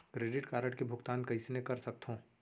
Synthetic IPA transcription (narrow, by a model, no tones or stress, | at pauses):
kɾeːɖɪʈkaːɾəʈkebʱʊɡt̪aːnkɐɪsnekɐɾsɐk̚t̪ɦõː